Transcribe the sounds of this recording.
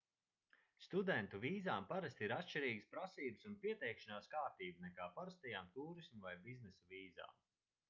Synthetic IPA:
st̪ud̪ɛnt̪uviːzaːmpaɾast̪ʲiɾat̪ʃt͡ʃiɾiːɡəspɾasiːbɨsunpiɛt̪ɛjkʃanaːskaːɾt̪iːbunɛkaːpaɾast̪ɛjaːmt̪uːɾismuvajbiznɛsuviːza̰ːm

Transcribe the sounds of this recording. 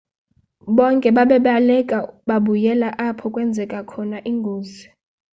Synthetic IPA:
ɓɔŋkʼɛɓaɓɛɓalɛkʼaɓaɓujɛlaʔapʰɔkʼwɛnd͡zʱɛkʼakʰɔnaʔiŋɡʱoːzi

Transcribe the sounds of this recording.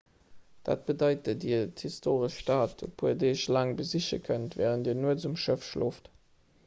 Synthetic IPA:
d̥a̰ːt̚b̥ədɑɪtədithistʰoːʁəʃːtaːtopʰuedeːʃlaŋbəziɕəkʰəntvɛːʁənt̚diːnuəzumʃəfʃloːft

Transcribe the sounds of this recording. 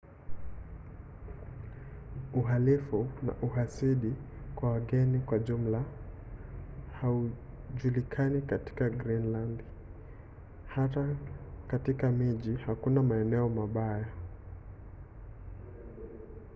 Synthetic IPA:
uɦalifuna̰ʔuɦasiɗikwawaɠɛnikwaʄum̩la | hau | ʄulikʰanikati̥kaɡɾinland | hatakatikamiʄihakunamaɛnɛɔmaɓaja

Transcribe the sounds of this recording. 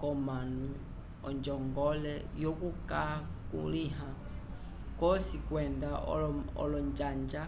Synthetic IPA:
kɔmanu | ɔɲd͡ʒɔŋɡɔlɛjɔkuka | kṵliɦa | kɔsikwɛndaɔ̰lɔɲd͡ʒaɲd͡ʒa

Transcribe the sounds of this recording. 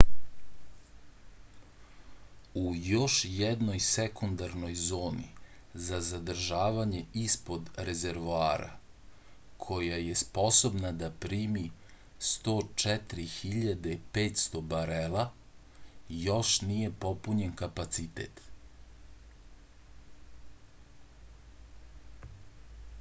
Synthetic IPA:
ujo̞ʃjɛd̪no̞jsekund̪aɾno̞jzo̞ːnḭzazad̪r̩ʒaːʋaɲe̞ispo̞d̪ɾe̞ze̞ɾʋoaːɾa̰ | kʰojaje̞spo̞so̞bnad̪apɾiːmi | st̪o̞ːt͡ʂɛt̪ɾixiʎad̪e̞peːt̪st̪o̞baɾela | jo̞ʃnije̞po̞puɲe̞nkapat̪sit̪ḛt̪

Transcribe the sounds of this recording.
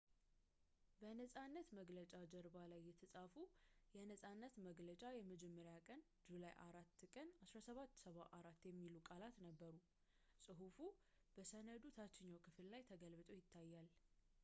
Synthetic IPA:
bənəsʼanːət̪məɡlət͡ʃʼad͡ʒəɾbalajːɛt̪ʰəsʼafujɛnəsʼanːət̪məɡlət͡ʃʼajɛməd͡ʒɛmːəɾjakʼən | d͡ʒulajʔaɾat̪ːkʼənasɾasəβat̪ːsəβaʔaɾat̪ːjɛmːilukʼalat̪nəbːəɾu | sʼɨɦufu | b̥əsənəd̪ut̪ʰat͡ʃːɪɲːawkʰɨfllajt̪ʰəɡəlβɨt̪ʼo̞jɪt̪ʰːajːal

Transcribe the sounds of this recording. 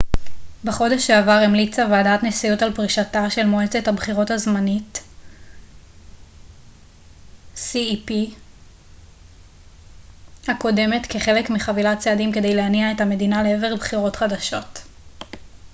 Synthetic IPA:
beχo̞de̞ʃeavaʁemlit͡saveadatnesijutalpʁiʃataʃe̞lmoet͡se̞thabχiʁo̞thazmanit | siipi | hako̞de̞me̞tkeχe̞lekmiχavilat͡seadimke̞de̞jleaniae̞thame̞dinaleeve̞ʁbχiʁo̞tχadaʃo̞t

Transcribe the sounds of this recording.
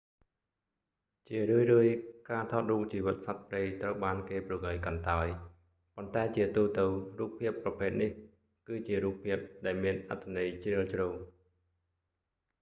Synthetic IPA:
t͡ɕiərɨəjrɨəjkaːt̪ʰɑːt̪̚ruːk̚t͡ɕiːʋɨt̪̚sat̪̚preːjt̪rəwɓaːnkeːprɨəŋɨjkɑnt̪aɔj | pont̪aɛt͡ɕiət̪uːt̪ɨwruːp̚pʰːiəpːrɑpʰeːt̪̚nih | kɨːt͡ɕiəɾuːp̚pʰiəp̚ɗaɛlmiənʔa̰t̪ʰːanɨjt͡ɕrɨəlt͡ɕruː

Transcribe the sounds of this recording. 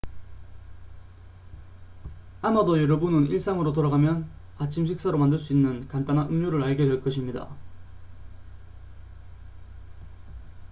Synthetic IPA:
amadojʌɾʌbunɯniɭs͈aŋɯɾotoɾaɡamjʌn | at͡ɕʰimɕʰik̚s͈aɾomandɯɭs͈uinːɯnkant͈anɦaʔɯŋɲoɾɯɾaɭɡjʌdweɭk͈ʌɕʰimɲida̰

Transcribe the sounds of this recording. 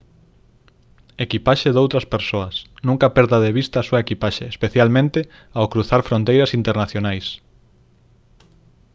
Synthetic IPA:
ekipaʃeðowt̪ɾɐspeɾsoɐsnũŋkɐpɛɾðɐðeβ̞ist̪ɐːsuɐekipaʃeespeθjalmẽnt̪ɪ | awkɾuθaɾfɾõnt̪ejɾɐsint̪eɾnaθjonajs

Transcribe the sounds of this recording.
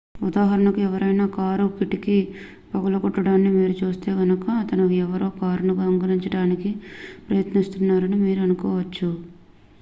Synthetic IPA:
ud̪aːɦɐɾɐnɐkuɛʋɐɾɐjnaːkaːɾukiʈiki | pɐɡɐlɐkɔʈːɐɽaːnːimiːɾut͡ʃuːst̪e̞ːɡɐnɐkɐːt̪ɐnuɛʋɐɾoːkaːɾunuɡɐŋɡɐniɲt͡ʃɐɽaːnikipɾɐjɐt̪nist̪unːaːɾɐnimiːɾuɐnukɔːʋɐt͡ʃːu

